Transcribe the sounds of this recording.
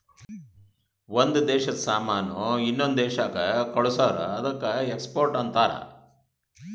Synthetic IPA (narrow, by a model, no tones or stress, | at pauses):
ʋond̪ud̪ɛːʃɐd̪ɐsaːmaːnoinːond̪ɛːʃaːkɐkɐɭusaːɾɐ̰ɐd̪ɐkːɐekspoːɾʈɐnt̪aːɾɐ̰